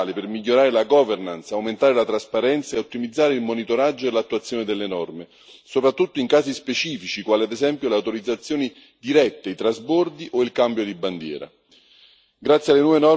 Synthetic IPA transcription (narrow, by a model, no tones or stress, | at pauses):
lepermiʎːoɾaːɾelaɡɔvernant̪saawment̪aːɾelat̪ɾaspaɾɛnt̪saeot̪ːimid̪zːaːɾeilmonit̪oɾad͡ʒːoelat̪ːuat̪sːjoːned̪elːenɔrme | sopɾat̪ːut̪ːoiŋkaːzispet͡ʃiːfit͡ʃikwaːlead̪ezɛmpjoleawt̪oɾid̪zat̪sːjoːni | d̪iɾɛt̪ːeit̪ɾazbɔrd̪iʔoilkambjod̪iband̪jɛ̰ːɾa̰ | ɡɾat̪sjalːenwɔvenɔ